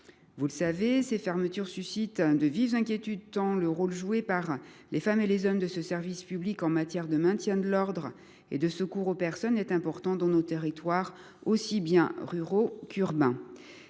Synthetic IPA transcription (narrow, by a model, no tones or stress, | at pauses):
vuləsavesefɛʁmət̪yʁsysit̪d̪əvivzɛ̃kʲjet̪yd̪t̪ɑ̃ləʁolʒuepaʁ | lefamelezɔmd̪əsəsɛʁvispyblikɑ̃mat̪jɛʁd̪əmɛ̃t̪jɛ̃d̪əlɔʁd̪ʁ | ḛd̪əsəkuʁopɛʁsɔnɛt̪ɛ̃pɔʁt̪ɑ̃d̪ɑ̃not̪eʁit̪waʁ | osibjɛ̃ʁyʁokyʁbɛ̃